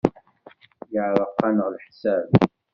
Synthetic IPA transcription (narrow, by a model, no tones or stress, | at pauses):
jəʕɾˤəqːɑnəʁlħsæb